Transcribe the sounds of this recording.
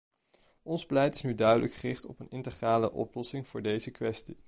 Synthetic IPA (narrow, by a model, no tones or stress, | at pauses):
ɔnsplɛjtɪ̥snydœɥdələkχərɪχtɔ̰pənɪntəχraːləʔɔ̰plɔsɪŋv̥ʊːɹdejzəkʋɛsti